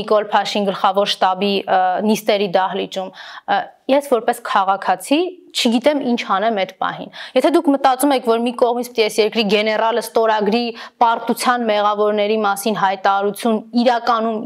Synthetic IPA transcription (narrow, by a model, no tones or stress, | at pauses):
ikɔlpʰɑʃinɡəlχɑvɔɾʃt̪ɑbinist̪ɛɾid̪ɑhlit͡ʃum | jɛsvɔɾpɛskʰɑʁɑkʰɑt͡sʰit͡ʃʰəɡit̪ɛmint͡ʃʰhɑnɛmɛd̪pɑ̰hḭnjɛt̪ʰɛd̪ukʰmət̪ɑt͡sumɛkʰvɔɾmikɔʁmit͡sʰpə̥t̪iɛsjɛɾkɾiɡɛnɛrɑləst̪ɔɾɑɡɾipɑɾt̪ut͡sʰjɑnmɛʁɑvɔɾnɛɾimɑsinɦɑjt̪ɑɑɾut͡sʰjuniɾɑkɑnum